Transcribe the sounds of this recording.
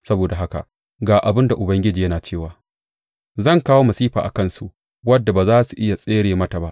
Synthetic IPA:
sɐ˦boː˨da˨ɦa˦ka̰˨ʔ | ɡaː˨ʔa˨bɪ˦nda˨ʔʊ˨bɐ˦ŋɡʲɪ˦d͡ʒiː˨jɐ˦naː˨t͡ʃeː˦˨waː˨ | zɐ˦˨ŋkaː˦woː˦mɐ˨siː˦ɸaː˨ʔa̰˨kɐ˦˨nsu˨ʔ | wɐ˦dːa˨baː˨zaː˦su˨ʔɪ˦ja˨sʼeː˦ɽeː˨mɐ˦ta˨ba˦ʔ

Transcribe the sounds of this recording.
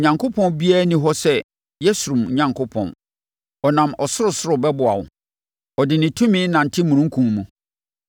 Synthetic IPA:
ɲã˨ŋkʰo˦pʰɔ̃˦nbi˦a˦nĩ˦ɦɔ˦sɛ˦ | jɛ˦sʊ˨ɾũ˨m˨ɲã˨ŋkʰʊ˦pʰɔ̰̃˨n | ɔ˨nã˨mɔ˨sʊ˦ɾʊ˨sʊ˦ɾʊ˨bɛ˦bʊ˨a̰˨wʊ̰˨ | ɔ˨dɪ˨nɪ̃˨tʰũ˦mĩ˦nã˨n̩˨tʰɪ˦mũ˨ɾũ˦ŋ̩˦kʰũ˨mũ˨

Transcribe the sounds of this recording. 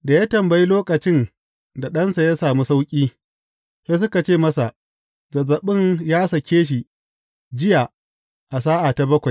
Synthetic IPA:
da˨jaː˦tɐ˨mbɐ˨ji˦loː˦kʼɐ˨t͡ʃɪ˦n | da˨ɗɐ˦nsa˨ja˦saː˨mu˦sa˦wkʲʼiː˦ | sɐ˦sʊ˦ka˨t͡ʃeː˦˨mɐ˦sa˨ʔ | zɐ˨zɐ˨ɓɪ˦njaː˦sɐ˨kʲʰeː˦ʃ̬i˨ | d͡ʒɪ˦ja˨ | ʔa˨s̬aː˦ʔa˨ta˨bɐ˦kʷa˨

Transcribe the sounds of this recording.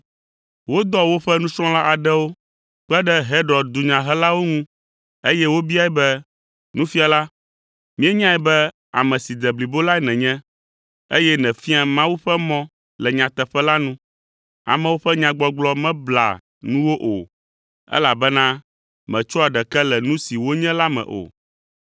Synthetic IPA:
wo˦d̪ɔ˦wo˦ɸɛ˦nũ˦sɾɔ̃˦la˦ʔa˨ɖɛ˦wo˦ | k͡pɛ˦ɖɛ˦ɦe˦ɖɾɔ˨d̪u˨ɲã˨ɦɛ˦la˦wo˦ŋũ˦ | e˦jɛ˦wo˦bi˦a˦ɛ˦bɛ˦ | nũ˦fi˦a˨la˦ | mĩ˦ɛ˦ɲã˦ɛ˨bɛ˦ | a̰˨mɛ̃˨si˨d̪ɛ˨bli˨bo˦la˦ɛ˦nɛ̃˨ɲɛ̃˦ | ḛ˦jɛ˦nɛ̃˨fi˦a˨mã˦wu˦ɸɛ˦mɔ̃˦ | lɛ˨ɲã˨t̪ɛ˨ɸɛ˦la˦nũ˦ | a̰˨mɛ̃˨wo˦ɸɛ˦ɲã˨ɡ͡bɔ˦ɡ͡blɔ˦mɛ̃˦bla̰˨ | nũ˦wo˦ʔo˨ | ɛ̰˦la˨bɛ˦nã˦ | mɛ̃˨t͡ʃɔ˦a˨ɖɛ˨kɛ˦lɛ˨nũ˦si˨wo˦ɲɛ̃˦la˦mɛ̰̃˨ʔo̰˨

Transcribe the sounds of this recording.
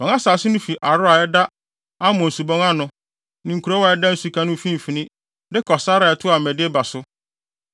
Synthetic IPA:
mɔ̃˨ŋa˦saː˨sɪ˦nʊ̃˦fi˨ʔa˨ɾʊ˦a˨ɛ˦da˦ | a˦mʊ̃˨n̩˨su˨bɔ̃˦ŋa˦nʊ̃˨ | nɪ̃˨ku˨ɾɔ˦wa˨ɛ˦dã˦n̩˦su˨kʰã˦nʊ̃˦fĩ˦m̩˨fi˨nɪ̃˦ | dɪ˦kʰɔ˨sa˦ɾa˨ɛ˨tʰʊ˦a˨mɛ̃˨dɪ˦ɛ˦ba˨sʊ˦

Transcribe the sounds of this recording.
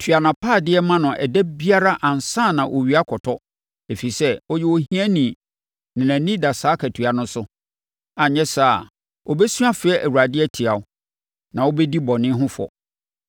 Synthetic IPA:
tʰɥa˨nã˨pʰaː˦˨dɪ˦ɛ˦mã˦nʊ̃˨ʔɛ̰˨dɛ˦bi˦a˦ɾa˦ʔã˨n˨sãː˦˨nã˨ʔo̰˨ɥi˨˦a˦kʰɔ˨tʰɔ˦ | e˨fi˨sɛ˦ɔ˦jɛ˦˨wo˦hĩ˦ɛ̃˦nĩ˨ | nɪ̃˨nã˨nĩ˦da˨saː˦kʰæ˨tʰɥa˨nʊ̃˦sʊ˦ | a˨ɲɛ̃˦sa˦˨ | o˨bɛ˦su˦a˦fɪ˨˦ɛ˦ʔæ˨wu˨ɾa˨dɪ˦ɛ˦tʰi˨a˨ʊ˦ | nã˨wo˦bɛ˦di˦bɔ˨nɪ̃˦ɦʊ̃˦fɔ̰˨

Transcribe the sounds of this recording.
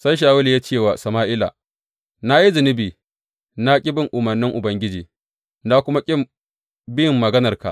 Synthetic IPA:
sa˦jʃ̬aː˨wʊ˦ljaː˦t͡ʃeː˦˨waː˨sɐ˨maː˦ʔɪ˦la̰˨ | na˦ji˦zɪ˨nɪ˦biː˨ | na˦kʲʼɪ˦bɪ˨ŋʔʊ˨mɐ˨rnɪ˦ŋʔʊ˨bɐ˦ŋɡʲɪ˦d͡ʒiː˨ | na˦kʷʊ˦ma˦kʲʼɪ˦m | bjɪ˨mːɐ˨ɡɐ˦nɐ˨rka̰˨ʔ

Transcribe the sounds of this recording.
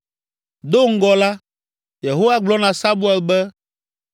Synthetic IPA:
d̪o˦ŋ̩˦ɡɔ˨la˦ | je˨ɦo˦wa˦ɡ͡blɔ˦nã˨sa˦bu˦ɛ˨lbɛ˦

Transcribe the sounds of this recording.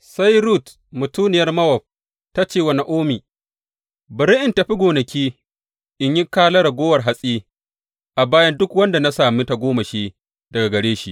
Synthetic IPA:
sa˦jɾuː˦˨t | mʊ˨tuː˦nɪ˨jɐ˦rmɐ˦wɐ˨ɸ̚ | ta˦t͡ʃeː˦˨wɐ˨na˦ʔoː˦miː˨ | bɪ˨ɾɪ˦ʔɪ˨nta˨ɸi˦ɡʷoː˨nɐ˨kʲiː˦ | ʔɪ˨ɲji˦kaː˦lɐ˦ɾa˨ɡʷoː˦wɐ˨rɦa˨sʼiː˦ | ʔa˨baː˦jɐ˦ndʊ˦kwɐ˦nda˨na˦saː˨mi˦ta˨ɡʷoː˦ma˨ʃiː˦ | dɐ˨ɡa˨ɡɐ˨ɽeː˦ʃi˨ʔ

